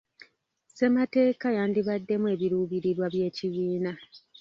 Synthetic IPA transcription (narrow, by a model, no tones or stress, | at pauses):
se̞mate̞ːkajaːndiβadːe̞mwe̞ːβiɾuːβiɾiɾwaβje̞ːciβiːna